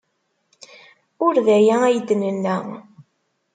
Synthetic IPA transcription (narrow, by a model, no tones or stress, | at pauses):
ʊɾðæjææjəd̪ːnənːæ